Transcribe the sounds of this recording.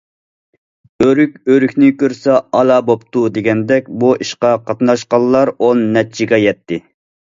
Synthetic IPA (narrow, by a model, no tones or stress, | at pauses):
øɾykʲøɾykʲnɪkʲøɾsɑɑlˠɑbopt̪ud̪eɡʲɛnd̪ɛkʲbuʔiʃqɑqʰɑt̪nɑʃqɑlːˠɑɾonːɛt͡ʃʰiɡɛjɛt̪ʰːɪ